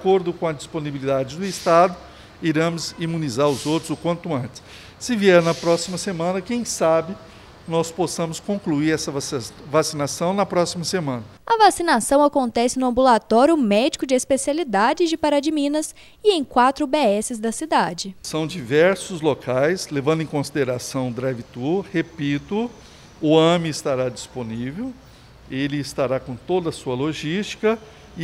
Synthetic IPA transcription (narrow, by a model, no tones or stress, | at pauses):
koɾd̪ʊkõɐd͡ʒisponibilid̪ad͡ʒɪd̪ʊɪst̪ad̪ʊ | iɾɐ̃mʊzimũnizaɾʊzowt̪ɾʊzʊkwɐ̃nt̪ʊɐ̃nt͡ʃɪ̥sː | ɪviɛɾnɐpɾɔsimɐsemɐ̃nɐkẽj̃sabɪ | nɔsposɐ̃mʊskõŋkluiɾɛsɐvavasinasɐ̃w̃nɐpɾɔsimɐsemɐ̃nɐɐvasinasɐ̃w̃akõnt̪ɛsɪnʊɐ̃mbulat̪ɔɾjʊmɛd͡ʒikʊd͡ʒɪespesialid̪ad͡ʒɪzd͡ʒɪpaɾɐd͡ʒɪmĩnɐs | ɪẽj̃kwat̪ɾʊbeɛsɪzd̪ɐsid̪ad͡ʒɪsɐ̃w̃d͡ʒivɛɾsʊzlokajslevɐ̃nd̪ʊẽkõsid̪eɾasɐ̃w̃d̪ɾavit̪uhepit̪ʊ | ʊɐ̃miːst̪aɾad͡ʒisponivew | elɪːst̪aɾakõt̪od̪ɐsuɐloʒist͡ʃi̥kɐ